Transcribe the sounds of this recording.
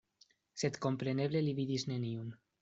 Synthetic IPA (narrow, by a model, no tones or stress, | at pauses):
set̪kompɾeneβleliβiðizneniun